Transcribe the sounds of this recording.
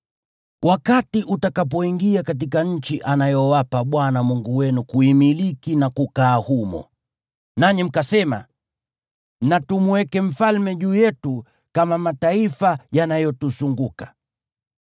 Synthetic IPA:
wʔakatiʔutakap̬ɔiŋɡiakat̬ikaɲ̩t͡ʃiʔanajɔwapaɓwanamuŋɡuwɛnukuimilikinakukaːhumɔ̰ | naɲim̩kasɛma̰ | natumuwɛkɛm̩falmɛʄuːjɛtu | kamamataifajanajɔtusuŋɡukḁ

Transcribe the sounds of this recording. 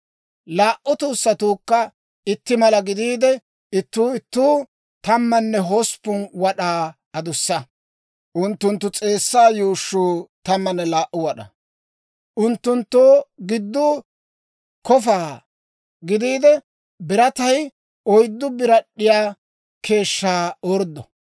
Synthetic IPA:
laːʔʊt̪uːsːɐt̪uːkːɐ | ɪt̪ːɪmɐlɐɡɪd̪iːd̪ɛ | ɪt̪ːuːɪt̪ːuː | t̪ɐmːɐnːɛɦospːʊnwɐɗaː | ɐd̪ʊsːɐ | ʔʊnt̪ːʊnt̪ːʊt͡sʼe̞ːsːaːjuːʃːuːt̪ɐmːɐnːɛlaːʔʊwɐɗɐ̰ | ʔʊnt̪ːʊnt̪ːoːɡɪd̪ːʊ | kɔfaː | ɡɪd̪iːd̪ɛ | bɪɾɐt̪ɐj | ɔjd̪ːʊbɪɾɐɗːɪjaː | kʰe̞ːʃːaːɔɾd̪ɔ

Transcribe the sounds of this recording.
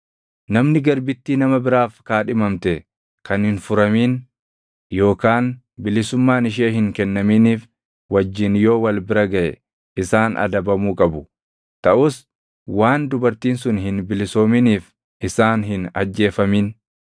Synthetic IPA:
nɐmnɪɡɐɾbɪt̪ːiːnɐmɐbɪɾaːfkaːᶑɪmɐmt̪ɛ | kɐnhɪnfʊɾɐmiːn | jo̞ːkaːn | bɪlɪsʊmːaːnɪʃ̬eːɦɪŋkɛnːɐmiːniːf | wɐd͡ʒːɪnjo̞ːwɐlbɪɾɐɡɐʔɛ | ɪsaːnʔɐ̰d̪ɐbɐmuːkʼɐbʊ | t̪ɐʔʊs | waːnd̪ʊbɐɾt̪iːnsʊnhɪnbɪlɪso̞ːmɪniːf | ʔɪsaːnɦɪnɐ̰d͡ʒːe̞ːfɐmiːn

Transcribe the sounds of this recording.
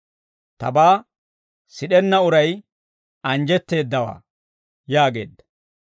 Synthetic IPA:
t̪ɐbaː | sɪɗɛnːɐʊɾɐj | ɐnd͡ʒɛt̪ːe̞ːd̪ːɐwa̰ː | jaːɡe̞̰ːd̪ːɐ̥

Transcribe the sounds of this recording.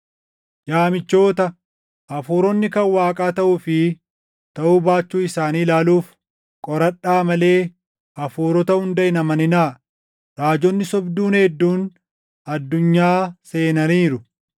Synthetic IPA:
jaːmɪt͡ʃːo̞ːt̪ɐ | ʔɐfuːɾɔnːɪkɐnwaːkʼaːt̪ɐʔʊfɪ | t̪ɐʔuːbaːt͡ʃːuːɪsaːniːlaːluːf | kʼɔɾɐᶑːaːmɐle̞ː | ʔɐfuːɾɔt̪ɐhʊnd̪ɐɪnɐmɐnɪna | ɾaːd͡ʒɔnːɪsɔbd̪uːnhɛd̪ːuːn | ɐd̪ːʊɲːaːse̞ːnɐniːɾʊ

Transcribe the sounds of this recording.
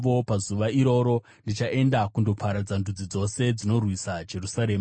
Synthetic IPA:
ʋopazuʋaiɾo̞ːɾo̞ | ndit͡ʃaʔe̞ndakundo̞pʰaɾad͡zandud͡zid͡zo̞se̞d͡zino̞rwisad͡ʒe̞rusaɾeːm

